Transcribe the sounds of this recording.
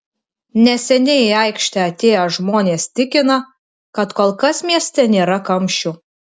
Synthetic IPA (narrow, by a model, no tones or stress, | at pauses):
nʲɛsʲɛnʲɛɪɐɪkʃʲt̪ʲɛɐt̪ʲeːjoʒmoːnʲeːst̪ʲɪkʲɪnɐ | kɐt̪koːlˠkɐsmʲiɛsʲt̪ʲɛnʲeːɾɐkɐmʲʃʲt͡ʃʲu